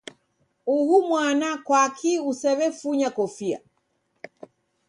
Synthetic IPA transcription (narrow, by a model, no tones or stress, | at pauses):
uhumwanakwakʰiusɛβɛfuɲakɔfia̰